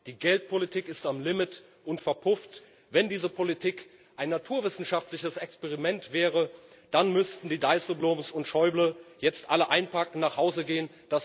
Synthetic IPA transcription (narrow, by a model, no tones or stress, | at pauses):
d̥iːɡɛlt̚pʰolitʰiːkɪstamlɪmɪt | ʔʊntfɛɐpʰʊft | vɛndiːzəpʰolitʰiːk | ʔaɪnːatʰuːɐvɪsn̩ʃaftlɪçəsɛkspɛʁimɛntv̥ɛːʁə | d̥anmʏstn̩diːdaɪsəblomsʊntʃɔʏbləjɛt͡stʔaləʔaɪnpʰakŋ̩naːχhaʊzəɡeːən | d̥as